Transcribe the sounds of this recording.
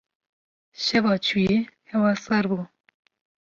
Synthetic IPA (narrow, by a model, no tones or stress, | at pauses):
ʃɛvɑːt͡ʃʰujehɛwɑsɑɾbuː